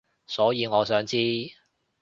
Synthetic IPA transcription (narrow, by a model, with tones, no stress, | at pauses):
sɔː˨˥jiː˨˧ŋɔː˨˧sœː˨˥ŋt͡siː˥